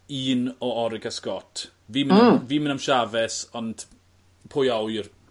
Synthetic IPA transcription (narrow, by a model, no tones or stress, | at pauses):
iːnɔɔɾɪɡaskɔtʰ | viːmviːmənamʃavɛsɔnd̥ | pʰoːjawjr